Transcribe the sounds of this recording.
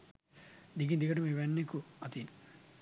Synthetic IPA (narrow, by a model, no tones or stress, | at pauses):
d̪iɡind̪iɡɐʈumiʋenːikuɐt̪in